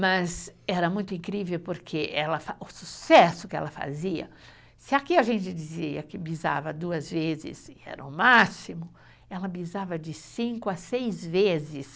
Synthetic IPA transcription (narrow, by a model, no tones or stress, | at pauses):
mɐzɛɾɐmũj̃t̪ʊĩŋkɾivewpoɾkʰeʔɛlɐfaʊsusɛsʊkɪɛ̰lɐfa̰ziɐ̰ | sɪakiaʒẽnt͡ʃɪd͡ʒiziɐ̰kɪbiza̰vɐd̪uɐzvezɪ̰sɪɛ̰ɾɐ̰ʊmasimʊ | ɛlɐbizavɐd͡ʒɪsĩŋkʊɐsejzvezɪs